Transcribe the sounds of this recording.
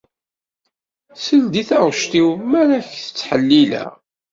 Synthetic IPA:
səld̪iθaʁʃt̪iwmæɾæçθə̥t͡sːħəlːilæ̰

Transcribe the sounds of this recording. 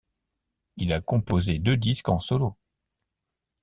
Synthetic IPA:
ilakɔ̃pozed̪ød̪iskɑ̃sɔlo

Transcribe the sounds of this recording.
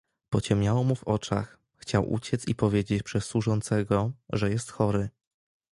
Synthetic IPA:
pɔt͡ɕɛmʲɲjawɔmuvɔt͡ʂa̰x | xt͡ɕawʔṵt͡ɕɛt̪sḭpɔvʲjed͡ʑet͡ɕpʂɛsswuʐɔnt̪sɛɡɔʐɛjɛst̪xɔɾɘ

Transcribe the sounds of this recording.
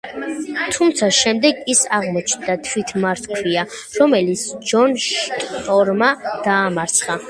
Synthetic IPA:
t̪ʰumt̪sʰaʃɛmd̪ɛɡisaʁmɔt͡ʃʰnd̪at̪ʰwit̪ʰmaɾt̪ʰkʰɾia | ɾɔmɛlit̪sʰd͡ʒɔnʃt̪ʼɔɾmad̪̥aːmaɾt̪sʰχa

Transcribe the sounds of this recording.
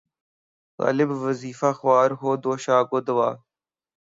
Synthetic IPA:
ɣa̰ːlɪbʋəziːfaːxʊwaːɾɦoːd̪oːʃaːɡod̪əʋaː

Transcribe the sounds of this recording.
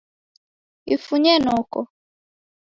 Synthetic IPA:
ifuɲɛnɔkɔ

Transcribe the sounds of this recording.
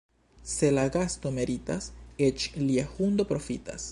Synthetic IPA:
se̞laɡast̪o̞me̞ɾitaset͡ʃliahund̪o̞pɾo̞fita̰s

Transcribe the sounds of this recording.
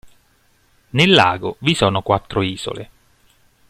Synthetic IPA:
nelːa̰ːɡovisɔːnokwat̪ːɾoiːz̥o̰lḛ

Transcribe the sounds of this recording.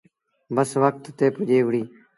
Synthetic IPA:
bəsʋək̚t̪t̪eːpʊd͡ʒeːʋɽiː

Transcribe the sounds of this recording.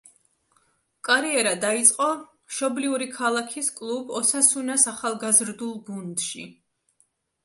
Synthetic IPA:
kʼaɾiɛɾad̪ait̪sʼqʼɔ | ʃɔbliuɾikʰalˠakʰiskʼlˠubɔsasunasaχalˠɡazɾd̪ulˠɡund̪ʃḭ

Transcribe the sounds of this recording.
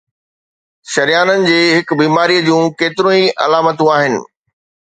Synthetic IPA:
ʃɐɾjaːnənɪ̆d͡ʑeːɦɪkbiːmaːɾiːəd͡ʑũːkeːt̪ɪɾõːiʔɐ̰laːmət̪ũaːɦɪnɪ̰̆

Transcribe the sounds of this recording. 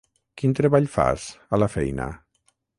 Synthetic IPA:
kint̪ɾeβaʎfa̰zəlafɛjnə̰

